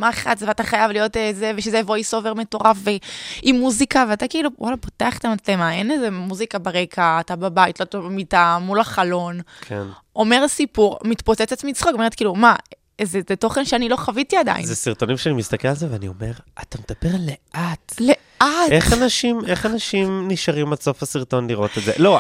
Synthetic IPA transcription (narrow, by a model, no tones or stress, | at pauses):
maeχatzevataχajavlijo̞tezeveʃezevojso̞veʁmeto̞ʁafveimːuzikaveatakiiluwʔa̰lapo̞̥teaχe̥tamat͡slemae̞nezemuzikabaʁe̞kʰaːtababajitlotabamitamulaχalo̞nkʰen | o̞me̞ʁsipuʁmitpot͡set͡set͡smit͡sχokomeʁet̚kiːluma | zezeto̞χenʃeanilo̞χavitiada̰jḭnzesiʁt̪o̞nimʃeanimist̪akelalzeveanio̞me̞ʁatamed̥̪abeʁleʔatle | aeχanaʃimeχanaʃimniʃaʁimalso̞fasiʁto̞nliʁo̞t̪etzḛlo̞